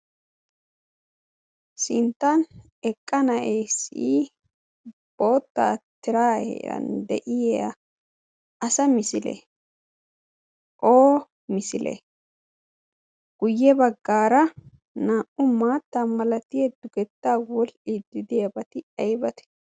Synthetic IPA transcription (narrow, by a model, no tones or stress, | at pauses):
sɪnt̪ːɐn | ɛkʼːɐnɐʔɛjsiː | b̥o̞ːt̪ːa̰ːt̪ːɪɾaːhɛ̰ɾɐ̰nd̪ɛʔɪjɐ̰ | ɐsɐmɪsɪlɛ̰ | ʔoː | mɪsɪlɛ̰ | ɡ̥ʊjːɛbɐɡːaːɾɐ | naːʔʊmaːt̪ːaːmɐlɐt̪ɪjɛd̪ʊɡɛt̪ːaːwɔlʔɪd̪ɪd̪ɪjɐbɐt̪ɪɐjbɐt̪ɛ̥